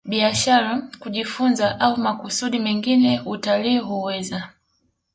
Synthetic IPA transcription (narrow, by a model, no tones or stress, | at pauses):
ɓiaʃaɾakuʄifunzaʔaumakusuɗimɛŋɡinɛutaliːɦuwɛza